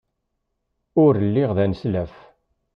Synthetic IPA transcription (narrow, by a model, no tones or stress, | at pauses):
ʊɾlːɪʁðænslæf